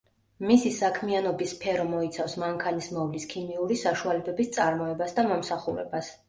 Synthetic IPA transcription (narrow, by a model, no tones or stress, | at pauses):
misisakʰmianɔbispʰɛɾɔmɔit̪sʰafsmaŋkʰanismɔvliskʰimiuɾisaʃualɛbɛbist̪sʼaɾmɔɛbasd̪amɔmsaχuɾɛ̰bas